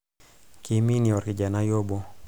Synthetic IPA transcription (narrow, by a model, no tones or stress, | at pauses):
kiminiɔrkid͡ʒanajɔbɔ